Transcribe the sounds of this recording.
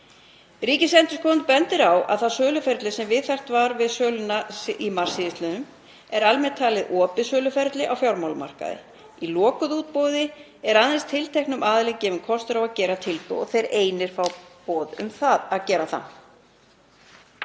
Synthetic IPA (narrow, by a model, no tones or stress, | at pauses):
riːcɪsɛnt̪ʏ̥skʰɔnpɛnt̪ɪɾawʔa̰ðθasœːlʏfɛɾt̪lɪsɛmvɪðθajr̥t̪vaɾvɪðsœːlʏnaimar̥siɪst̪lɪnʏm | ɛɾalmɛɾt̪ʰaːlɪðʔɔːpɪsœːlʏfɛɾt̪lɪʔawfjawɾmawlma̰r̥ka̰ðɪ̰ | ilɔːkʏðuːt̪̚powðɪ | ɛɾaðɛnst̪ʰɪlt̪ʰejknʏmaːðɪlɛɣcɛːvɪnkʰɔst̪ʏɾawaðcɛːɾat̪ʰɪlpo̰ɔ̰θejɾeːjnɪɾ̥fawpɔːðʏ̰mθaðaðcɛːɾaθa̰n